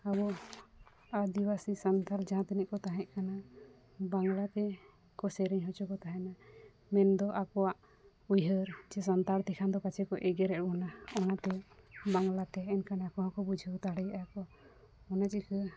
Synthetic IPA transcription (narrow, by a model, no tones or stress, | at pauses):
aβɔ | ad̪iwasisant̪aɾd͡ʒaɦãt̪ɛnɛʔkɔt̪aɦɛ̃ʔkana | baŋlat̪ɛ | kɔsɛɾiɲɦɔt͡ʃɔkɔt̪aɦɛ̃na | mɛnd̪ɔʔakɔwaʔ | ujɦəɾd͡ʒɛsant̪aɾt̪ʰɛkʰand̪ɔkat͡ʃʰɛkɔʔɛɡɛɾɛʔ̚bɔnaɔnat̪ɛbaŋlat̪ɛːnkanakɔɦãkɔbud͡ʒʱət̪aɽɛjaakɔ | ɔnat͡ʃikə